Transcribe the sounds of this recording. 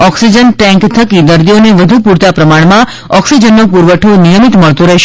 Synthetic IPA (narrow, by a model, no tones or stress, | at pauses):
ɔksid͡ʒənʈɛ̃ŋkt̪ʰəkid̪əɾd̪ijoneʋəd̪ʱupuɾt̪apɾəmaɳmã | ɔksid͡ʒənːopuɾʋəʈʰonijəmit̪məɭt̪uɾəɦʃ